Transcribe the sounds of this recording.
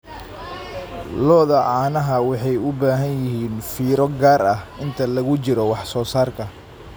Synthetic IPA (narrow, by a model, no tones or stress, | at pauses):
lɔːðɐʕɑːnɐɦɐwɑħɑjʊbaːɦɐnjɪɦiːnfiːɾɔɡaːɾɐhʔɪnt̪ʰɐlɐɣʊt͡ʃɪɾɔwɑħsɔːsaːrkʰɐ